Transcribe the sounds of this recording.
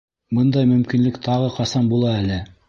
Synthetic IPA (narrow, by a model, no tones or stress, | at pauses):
bɤnd̪ɑjmɵ̆mkinlɘkt̪ʰɑʁɤqɑsɑmbulˠɑælɘ